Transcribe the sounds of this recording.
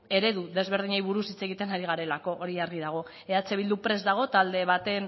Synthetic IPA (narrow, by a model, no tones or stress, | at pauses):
e̞ɾe̞ðuðe̞zβ̞e̞ɾð̞iɲajβuɾusit͡se̞ɣ̞it̪e̞naɾiɣaɾe̞lako̞ʔoɾiaɾɣiðaɣ̞o̞ | eat͡seβild̪upɾe̞zd̪aɣ̞o̞t̪ald̪e̞β̞at̪e̞n